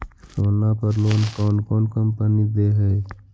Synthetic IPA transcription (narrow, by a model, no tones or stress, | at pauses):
soːnaːpəɾloːnkoːnkoːnkɐmpənid̪eːɦɛj